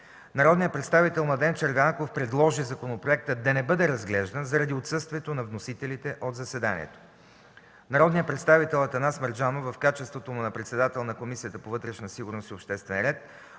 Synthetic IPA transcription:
nɐɾɔd̪nijət̪pɾɛt̪st̪avit̪ɛlˠnɐd̪ɛnt͡ʃɐɾvʲankofpɾɛd̪lˠɔʒizɐkonopɾoɛk̚t̪əd̪ɐnɛbɤd̪ɛɾɐzɡlɛʒd̪ənzɐɾɐd̪iot̪sɤst̪viɛt̪onɐvnosit̪ɛlit̪ɛʔod̪zɐsɛd̪anʲḭɛ̰t̪o̥ | nɐɾɔd̪nijət̪pɾɛt̪st̪avit̪ɛlˠɐt̪ɐnasməɾd͡ʒanovɐfkat͡ʃɛst̪vot̪omunɐpɾɛt̪sɛd̪at̪ɛlˠnɐkomisijət̪əpovɤt̪ɾɛʃnɐsiɡʊɾnosiopʃt̪ɛst̪vɛ̰nɾɛt̪̚

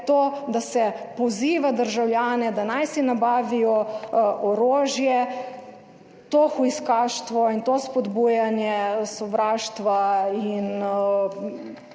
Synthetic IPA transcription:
t̪oːd̪asɛpɔziːʋad̪əɾʒawlʲjaːnɛd̪anajsinabaːʋijɔʔɔɾoːʒjɛ | t̪oːxuiskaːʃt̪ʋɔint̪ospɔd̪bujanjɛsɔʋɾaːʃt̪ʋain

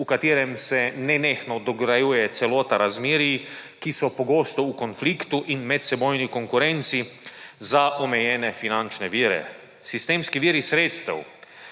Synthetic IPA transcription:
ukat̪iːɾɛmsɛnɛnexnɔd̪ɔɡɾajujɛt̪sɛloːt̪aɾazmiːɾiikisɔpɔɡoːst̪ɔukɔnflikt̪uʔinmɛt̪sɛboːjnikɔŋkuɾɛnt̪sizaʔɔmɛjɛːnɛfinant͡ʃnɛʋiːɾɛ̰ | sist̪eːmskiʋiːɾisɾeːt̪st̪ɛ̰w

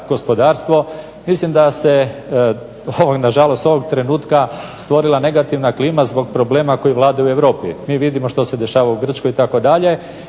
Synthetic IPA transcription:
ɡ̥o̞spo̞d̪aːɾst̪ʋo̞ | mislimd̪ase̞ | oʋoɡnaʒalˠo̞st̪o̞ʋoɡt̪ɾe̞nuːt̪kast̪ʋo̞ɾilˠane̞ɡat̪iʋnakliːmazbo̞ɡpɾo̞ble̞ːmako̞jiʋlˠaːd̪ajueʋɾo̞ːpḭmiːʋid̪imo̞ʃt̪o̞se̞d̪e̞ʃaːʋauɡr̩t͡ʃkojit̪ako̞d̪aʎe̞

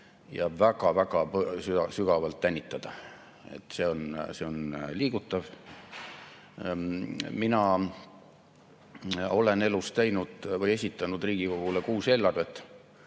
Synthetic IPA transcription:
jɑvæɡ̥ɑvæɡ̥ɑpsyɑsyɡ̥ɑvɑlt̪ːænʲːit̪ːˑɑd̪̥ɑ | e̞̰t̪ːˑse̞o̞nse̞o̞nliːɡ̥ut̪ːˑɑv | minɑ | o̞le̞ne̞lust̪æjnud̪̥vɤje̞sʲit̪ːˑɑnud̪riːɡ̥iko̞ɡ̥ule̞kuːse̞lːɑrvet̪ːˑ

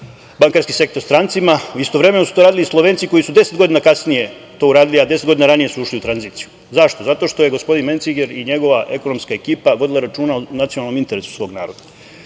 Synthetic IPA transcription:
baŋkaɾskise̞k̚t̪oɾst̪ɾant̪simauist̪oʋɾe̞me̞nosu̥t̪oɾaːd̪ilislˠoʋeːnsiko̞jisud̪e̞se̞d̪ɡo̞d̪inakasnije̞ | t̪o̞ːuɾaːd̪iliad̪esed̪ɡo̞d̪inaɾanije̞suuʃliut̪ɾanziːt̪siju | zaʃt̪o̞zat̪o̞ʃt̪o̞je̞ɡo̞spo̞d̪inment̪siɡeɾiɲe̞ɡo̞ʋaʔe̞ko̞no̞mskae̞kiːpaʋo̞d̪ilaɾat͡ʃuːnaonat̪sionalˠno̞mint̪e̞ɾesu̥sʋo̞ːɡna̰ːɾod̪ḁ

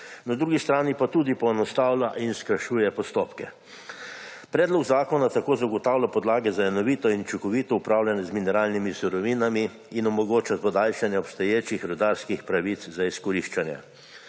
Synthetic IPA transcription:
nad̪ɾuːɡist̪ɾaːnipat̪uːd̪ipɔɛnɔst̪aːwlʲaʔinskəɾʃuːjɛpɔst̪oːpkɛ | pɾɛːd̪lɔɡzaːkɔnat̪akoːzaɡɔt̪aːwlʲapɔd̪laːɡɛzaɛnɔʋiːt̪ɔint͡ʃukɔʋiːt̪ɔupɾawlʲjanɛzminɛɾaːlnimisuɾɔʋiːnamiː | nɔmɔɡoːt͡ʃat̪pɔd̪aːlʃanjɛɔpst̪ɐjeːt͡ʃixɾɔd̪aɾskixpɾaʋit̪szaiskɔɾiʃt͡ʃanjɛ̰

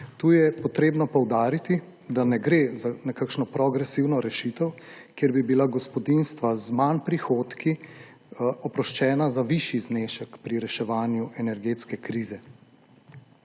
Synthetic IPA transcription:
t̪uːjɛpɔt̪ɾeːbnɔpɔwd̪aːɾit̪i | d̪anɛɡɾeːzanɛkakʃnɔpɾɔɡɾɛsiwnɔɾɛʃit̪əwkjeɾbibilaɡɔspɔd̪inst̪ʋazmanpɾixoːt̪ki | ɔpɾɔʃt͡ʃɛːnazaʋiʃizneːʃəkpɾiɾɛʃɛʋaːnjuʔɛnɛɾɡeːt̪skɛkɾiːzɛ

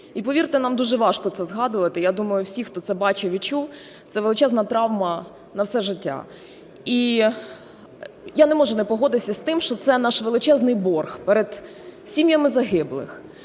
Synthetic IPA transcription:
ipɔʋʲirt̪ɪnɑmd̪uʒɛʋɑʃkɔt̪sɛzɦɑd̪ʊʋɐt̪ɪjad̪umɐjʊwsʲixt̪ɔt̪sɛbɑt͡ʃɛʋʲit͡ʃuw | t̪sɛʋelˠɪt͡ʃɛznɐt̪ɾɑwmɐ | nɐwsɛʒɪtʲːa̰ | i | janɛmɔʒʊnɛpɔɦɔd̪ɪsʲɐsʲt̪ɪmʃt͡ʃɔt̪sɛnɑʃʋelˠɪt͡ʃɛznɪjbɔrxpɛɾed̪̥ | sʲimʲjɐmɪzɐɦɪblˠɪ̰x

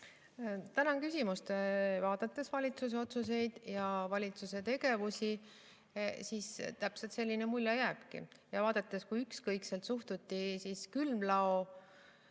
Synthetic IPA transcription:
t̪ænɑŋkysʲimust̪vɑːd̪̥ɑt̪ːˑe̞svɑlʲit̪sus̬e̞o̞t̪suse̞jd̪̥jɑvɑlʲit̪suse̞t̪e̞ɡe̞vusi | siːst̪æpselt̪se̞lʲːinemulʲjɑjæːb̥kḭjɑvɑːd̪̥ɑt̪ˑːeskujykskɤjkselt̪suht̪ut̪ːisiskylmlɑo

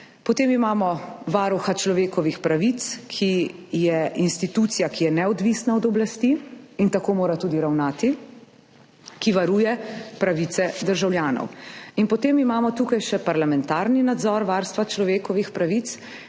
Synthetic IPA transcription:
pɔt̪eːmimaːmɔʋaːɾuxat͡ʃlɔʋeːkɔʋixpɾaʋit̪skʰijɛʔinst̪it̪ut̪sijakijɛnɛɔd̪ʋiːsnaɔd̪ɔblast̪iint̪akoːmoːɾat̪uːd̪iɾawnaːt̪i | kiʋaɾuːjɛpɾaʋit̪sɛd̪əɾʒawljaːnɔ̰winpɔt̪eːmimaːmɔt̪uːkajʃɛpaɾlamɛnt̪aːɾninad̪zɔːɾʋaːɾst̪ʋat͡ʃlɔʋeːkɔʋixpɾaʋit̪s

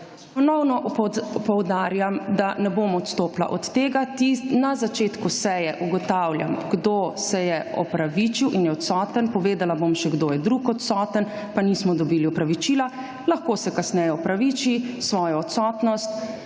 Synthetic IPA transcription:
pɔnɔwnɔʔɔpɔwd̪aːɾjamd̪anɛbomɔt̪st̪oːpla̰ʔɔt̪ːeːɡat̪inazat͡ʃeːt̪kusɛjɛʔuɡɔt̪awlja̰mɡd̪osɛjɛɔ̰pɾaʋit͡ʃiwʔinjɛɔt̪sɔːt̪ənpɔʋeːd̪alabomʃɛɡd̪oːjɛd̪ɾukɔt̪sɔt̪ən | panismɔd̪ɔbiliɔpɾaʋit͡ʃila | laxkoːsɛkasnɛjɛɔpɾaʋit͡ʃisʋɔːjɔɔt̪sɔːt̪nɔst̪̚

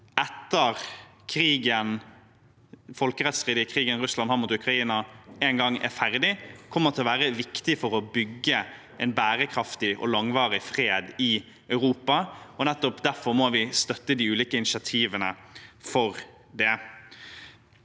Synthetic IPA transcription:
ʔɛt̪ːəʁ | kʰɾiːɡən | fɔlkəʁɛt̪sʁiːd̪ɪkʰɾiːɡənʁʉslɑnhɑɾmuːt̪ʉkɾɑiːnɑɛnɡɑŋæ̰ɾfæɾd̪ɪkʰɔmːəʁt̪ʰɪlɔʋæːɾəʋɪkt̪ɪfɔɾɔbʏɡːə | ʔɛnbæːɾəkʰɾɑft̪ɪʔɔ̰lɑŋʋɑːɾɪfʁeːd̪ɪ | œʉɾuːpɑɔnɛt̪ːɔpd̪æɾfɔɾmɔʋɪst̪œt̪ːəd̪iʉːliːkəɪnɪʃɑt̪ʰiːʋənəfɔɾ | d̪ɛ

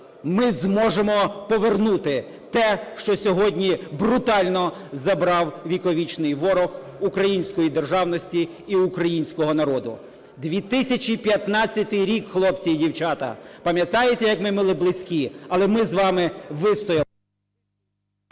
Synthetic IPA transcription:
mɪzmɔʒemɔpɔʋernut̪ɪ | t̪ɛʃt͡ʃɔsʲɔɦɔdʲnʲibɾʊt̪ɑlʲnɔzɐbɾɑwʋʲikɔʋʲit͡ʃnɪjʋɔɾɔx | ukɾɐjinʲsʲkɔjid̪erʒɑwnɔsʲtʲiː | ukɾɐjinʲsʲkɔɦɔnɐɾɔd̪ʊ̰ | d̪ʋʲit̪ɪsʲɐt͡ʃʲipʲjɐt̪nɑt͡sʲːɐt̪ɪjɾʲikxlˠɔpt͡sʲijdʲiwt͡ʃɑt̪ɐ̰pɐmʲjɐt̪ɑjet̪ɛjɐkmɪmɪlˠɪblˠɪsʲkʲiɐlˠɛmɪzʋɑmɪʋɪst̪ɔjɐ

